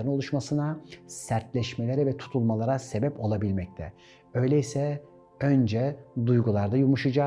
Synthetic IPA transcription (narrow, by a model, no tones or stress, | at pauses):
ɾɯno̞lˠuʃmasɯnasæɾt̪lʲɛʃme̞lʲeɾɛvɛt̪ʰu̥t̪ʰulˠmalˠaɾase̞bɛpo̞lˠabilʲmɛc̚t̪ʰɛ̰ | ø̞jlʲeisɛ | ønd͡ʒɛd̪ujɡulˠaɾd̪ajumuʃɯd͡ʒa